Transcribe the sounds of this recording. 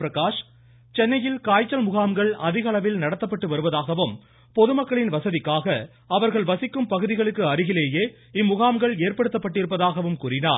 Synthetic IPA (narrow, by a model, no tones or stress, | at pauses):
ɾɐkaːʂ | t͡ʃɛnːɐjɪlkaːjt͡ʃːɐlmʊɣaːmɡɐɭɐðɪɣɐɭɐʋɪlnɐɽɐt̪ːɐpːɐʈːɯʋɐɾɯʋɐðaːɣɐʋɯm | pɔðɯmɐkːɐɭɪnʋɐsɐðɪkːaːɣɐ | ɐʋɐɾɣɐɭʋɐsɪkːɯmpɐɣɯðɪɣɐɭɯkːɯɐɾɯɣɪleːjeː | ɪmːʊɣaːmɡɐɭeːɾpɐɽɯt̪ːɐpːɐʈːɪɾɯpːɐðaːɣɐʋɯmkuːɾɪna̰ːɾ